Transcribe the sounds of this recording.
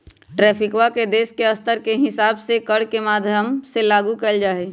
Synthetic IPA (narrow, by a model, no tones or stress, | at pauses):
ʈɾɛːpʰɪkwaked̪eːskeɐst̪əɾkeɦɪsaːbsekəɽkemaːd̪ʱjəmselaːɡukəld͡ʒaːeː